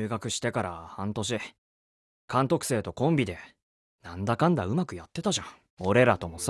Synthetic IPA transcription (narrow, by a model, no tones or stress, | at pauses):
ɯːɡakɯ̟ɕi̥t̪e̞kaɾa̰hãnt̪o̞ɕ̬i | kãnt̪o̞kɯ̟̥se̞ːt̪o̞kõ̞mbʲid̪e̞ | nãnd̪akãnd̪aɯ̟makɯ̟jat̪ːe̞t̪aʑã | o̞ɾe̞ɾat̪o̞mo̞s